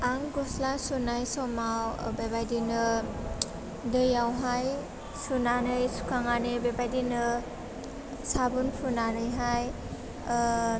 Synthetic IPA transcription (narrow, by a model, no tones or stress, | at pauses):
aŋɡɔslasunajsɔmawbebajdinɯ | dɯjawɦaj | sunanɯjsu̥kʰaŋanebebajdinɯ | sabunpʰunanɯjɦaj